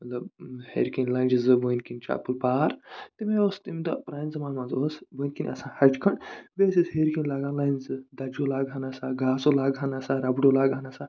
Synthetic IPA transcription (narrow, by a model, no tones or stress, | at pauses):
mɐt̪lɐbhḛːɾkinʲlaːnd͡ʒizɨbojnkinʲt͡ʃa̰ːpɨlpaːɾt̪imeoːst̪imʲd̪ɐ̰pɾaːjnzɐmaːnmãnzoːsbojnʲkinʲɐ̰sãːhɐd͡ʒkʰɐɳbeːsisɦeɾkinʲlaːɡaːnlaːjnʲzɨd̪ɐd͡ʒoːlaːɡɦanɐsaːɡaːsolaːɡɦanɐsaːɾɐbɖolaːɡanɐsaː